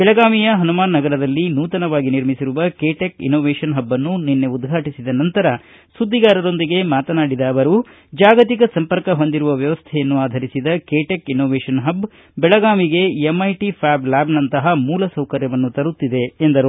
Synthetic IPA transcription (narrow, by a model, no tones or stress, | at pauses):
bɛɭɐɡaːmijɐɦɐnumaːnːɐɡɐɾɐd̪ɐlːinuːt̪ɐnɐʋaːɡiniɾmisiɾuʋɐkeːʈekḭnoːʋeːʂɐnɦɐbːɐnːuninːe̞ud̪ɡʱaːʈisid̪ɐnɐnt̪ɐɾɐ | sud̪ʱːiɡaːɾɐɾo̞nd̪iɡe̞maːt̪ɐnaːɽid̪ɐːʋɐɾu | d͡ʒaːɡɐt̪ikɐsɐmpɐɾkɐɦo̞nd̪iɾuʋɐʋjɐʋɐst̪ʰɛjɐnːuaːd̪ʱɐɾisid̪ɐkeːʈekinoːʋeːʂɐnɦɐb | bɛɭɐɡaːmiɡe̞emːɐjʈipʰaːblaːbnɐnt̪ɐɦɐmuːlɐsɐwkɐɾjɐʋɐnːut̪ɐɾut̪ːid̪e̞ːnd̪ɐɾu